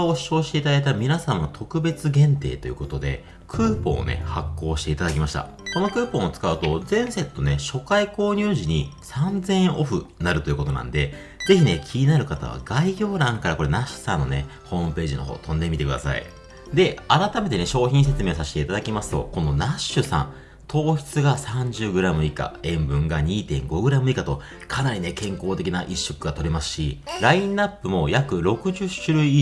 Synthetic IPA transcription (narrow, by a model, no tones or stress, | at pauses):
oɕo̞ːɕi̥t̪e̞it̪ad̪ait̪amʲinasãɰ̃ːat̪ʰo̞kɯ̟be̞t͡sɨɡẽ̞nt̪e̞̰ːt̪o̞jɯ̟ko̞t̪o̞d̪e̞̰ | kʰɯ̟ːpõ̞̰ːo̰ne̞̰hakːo̞ːɕi̥t̪e̞it̪ad̪akʲimaɕi̥t̪a̰ | ko̞no̞kɯ̟ːpõ̞ot͡sɨ̥kaɯ̟t̪o̞zẽ̞ɰ̃se̞t̪ːo̞ne̞ɕo̞kaiko̞ːɲ̟ɨːʑiɲ̟isãnd͡zẽ̞ɰ̃ʔo̞ɸɯ̟naɾɯ̟t̪o̞iɯ̟ko̞t̪o̞nã̰nd̪e̞ | d͡ze̞çine̞kʲʰiɲ̟inaɾɯ̟kat̪a̰βa̰ɡaiɡʲo̞ːɾãŋkaɾako̞ɾenaɕi̥sanːo̞̰ne̞ho̞ːmɯ̟pe̞ːʑino̞̰ɦo̞̰ːt̪õ̞nd̪e̞mʲit̪e̞kɯ̟d̪a̰sa̰ḭ | d̪e̞aɾat̪ame̞t̪e̞ne̞ɕo̞ːçĩs̬e̞t͡sɨme̞ːsaɕi̥t̪e̞it̪ad̪akʲimasɨ̥t̪o̞̰ko̞no̞naɕːɨsã̰n | t̪ʰo̞ːçʲi̥t͡sɨɡasãɲ̟d͡ʑɨːɡɯ̟ɾamɯ̟ika̰ẽ̞mbɯ̟̃ŋɡaɲ̟iːt̪ẽ̞ŋɡo̞ɡɯ̟ɾamɯ̟ikat̪o̞ | kʰanaɾʲine̞kẽ̞ŋko̞ːt̪e̞kʲinaʔiɕːokɯ̟ɡat̪o̞ɾʲimasɨ̥ɕiɾaĩnːapːɯ̟mo̞jakɯ̟ɾo̞kɯ̟ʑɨɕɨɾɯ̟i